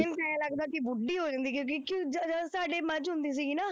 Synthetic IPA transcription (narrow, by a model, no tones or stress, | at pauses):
ɪnkɛːãːləɡd̪aːkibʊɖːiːɦoːd͡ʒãːnd̪iːkjõːkikid͡ʒd͡ʒəsaːɖeːməd͡ʒɦʊ̃nd̪iːs̬iːɡiːnaː